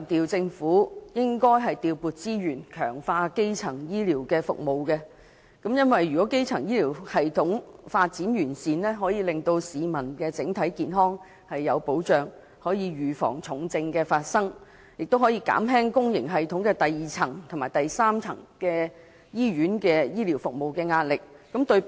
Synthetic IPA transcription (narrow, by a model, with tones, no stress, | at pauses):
t̪iː˨wt͡sɪ˧ŋfuː˨˥jɪ˥ŋkɔː˥jɦɐ˨jt̪iː˨wpuː˨t̚t͡siː˥ɥyː˨˩nkʰœː˨˩ŋfaː˧ke˥jt͡sʰɐ˨˩ŋjiː˥liː˨˩wkɛː˧fʊ̰˨k̚mo˨wkɛ˧ | kɐ˨˥mjɐ˥nwɐ˨jːy˨kɔː˨˥ke˥jt͡sʰɐ˨˩ŋjiː˥liː˨˩whɐ˨jt̪ʰʊ˨˥ŋfaː˧t̚t͡siː˨˥njyː˨˩nsiː˨nlɛː˥ɦɔː˨˥jiː˨˧lɪ˨ŋt̪o˧wsiː˨mɐ˨˩nkɛː˧t͡sɪ˨˥ŋt̪ʰɐ˨˥jkiː˨nɦɔː˥ŋ | hɐ˨jːɐ˨˧wpo˨˥wt͡ʃœː˨ŋ | hɔː˨˥jiː˨˧ɥyː˨fɔ̰ː˨˩ŋt͡sʰʊ˨˥ŋt͡sɪ˧ŋkɛː˧faː˧t̚sɐ˥ŋ | jɪ˨k̚t̪whɔː˨˥jiː˧ka̰ː˨˥mɦɛː˥ŋkʊ˥ŋjɪ̰˨˩ŋɦɐ˨jt̪ʰʊ˨˥ŋkɛː˧t̪ɐ˨jːiː˨t͡sʰɐ˨˩ŋt̪ʰmaː˨˩jt̪ɐ˨jsaː˥mt͡sʰɐ˨˩ŋkɛː˧ | jiː˥ɥyː˨˥nkɛː˧jiː˥li˨˩wfʊ˨k̚mo˨wkɛː˧ŋaː˧t̚lɪ˨k̚ːɐ˨˥mt̪ɵ˧ɥ